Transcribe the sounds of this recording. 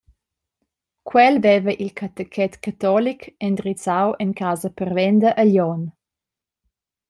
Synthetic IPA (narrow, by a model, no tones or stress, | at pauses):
kʰwɛlvɛvəʔilkʰat̪əkʰɛt̪kat̪ɔlikɛnd̪ɾit͡sawɛnkaːzəpərvɛnd̪əʔəljɔn